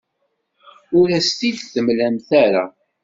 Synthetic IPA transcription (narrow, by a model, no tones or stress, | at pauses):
ʊɾæst̪iðθəmlæmθæɾa̰